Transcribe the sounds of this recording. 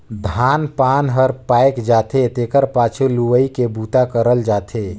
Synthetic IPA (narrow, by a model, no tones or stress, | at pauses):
d̪ʱanpanɦəɾpajkd͡ʒat̪et̪ekəɾpat͡ʃʰuluʋəikebut̪akəɾəld͡ʒat̪ʰe